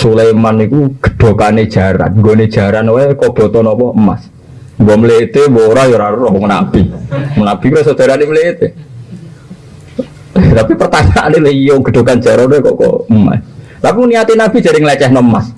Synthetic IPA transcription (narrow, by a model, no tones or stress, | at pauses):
sulejmanikuɡ̥ə̥ɖ̥o̤kaned̥ʒ̥a̤ɾa̰nŋɡoned̥ʒ̥a̤ɾanwekɔb̥ɔ̤t̪ɔnɔpɔəma̰s | ŋɡɔməlet̪ebɔɾajɔɾaɾuɾɔɔŋəna̰b̥iŋənab̥i̤kuɾɔsod̥̪a̤ɾanemlet̪e | t̪apipərt̪aɲaʔaneljɔɡ̥ə̤d̥o̤kan̥d͡ʒ̥a̤ɾanwekɔ̰ʔkɔ̰əma̰s | lapuŋniat̪inab̥i̤d͡ʒ̥aɾɪŋlɛt͡ʃɛhnɔmːa̰s